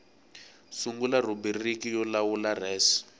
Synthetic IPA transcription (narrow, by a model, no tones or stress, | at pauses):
suŋɡular̤ubiririkijɔlawular̤ɛːsi̥